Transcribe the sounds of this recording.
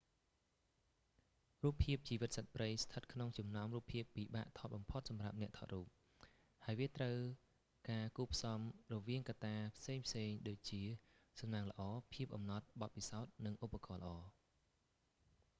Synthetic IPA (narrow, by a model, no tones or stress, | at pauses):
ruːpʰːiəp̚t͡ɕiːʋɨt̪̚sət̪̚prəjst̪ʰət̪̚kʰnoŋt͡ɕumnaɔmruːpʰːiəpːiːɓa̰ːʔt̪ʰɑːt̪̚ɓɑmpʰot̪̚sɑmra̰p̚nɛ̆əʔt̪ʰɑ̰t̪̚ruːp̚ | haəjʋiət̪rəw | kaːkuːpʰsɑmrɔʋiəŋkat̪ːaːpʰseːŋpʰseːŋɗoːc̚t͡ɕiəsɑmnaːŋlə̆ʔɑːpʰiəp̚ʔɑmnɑt̪̚ɓɑt̪̚pisaɔt̪̚nɨŋʔupːakɑːlə̰̆ʔɑː